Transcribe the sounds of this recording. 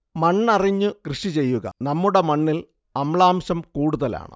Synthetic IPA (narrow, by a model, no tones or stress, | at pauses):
mɐɳːɐriɲːukrɨʂit͡ɕe̞jːuɣɐ̰nɐmːuɽe̞mɐɳːil | ɐmɭaːmɕɐmkuːɽuðɐla̰ːɳɨ̰